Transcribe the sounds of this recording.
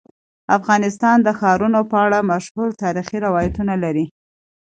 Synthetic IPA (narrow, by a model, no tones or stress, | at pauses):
afɣɑnɪst̪ɑnd̪əxɑɾunopəaɽamaʃhuɾt̪ɑɾixiɾɪwɑjat̪unalaɾi